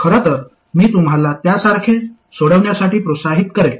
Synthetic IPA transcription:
kʰəɾət̪əɾ | miːt̪umɦalat̪jasaɾkʰe | soɽəʋɳjasaʈiːpɾosaɦit̪kəɾe

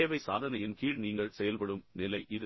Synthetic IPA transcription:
ʋɐɪsa̰ːðɐnɐjɪnkiːɻniːŋɡɐɭsɛjɐlpɐɽɯmnɪlɐɪʔɪðɯ

